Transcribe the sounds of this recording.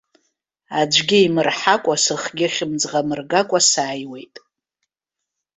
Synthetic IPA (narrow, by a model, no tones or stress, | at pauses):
ad͡ʒʷɡʲɪimɨrħakʷʼasɨχɡʲɪχʲɪmd͡zʁamɨrɡakʷʼasaːjwe̞jtʼ